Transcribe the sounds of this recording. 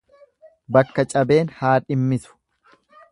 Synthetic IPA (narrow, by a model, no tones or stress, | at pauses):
bɐkːɐt͡ʃʼɐbe̞ːnhaːᶑɪmːɪsʊ̥